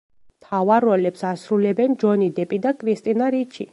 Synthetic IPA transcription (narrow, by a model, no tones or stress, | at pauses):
mt̪ʰavaɾɔlɛpsasɾulɛbɛnd͡ʒɔnid̪ɛpʼid̪akʼʰɾist̪ʼinaɾit͡ʃʰi